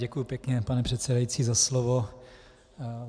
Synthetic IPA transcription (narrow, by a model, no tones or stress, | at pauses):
ɟɛkujupjɛkɲɛpanɛpr̝̥ɛt̪sɛdajit͡siːzaslovo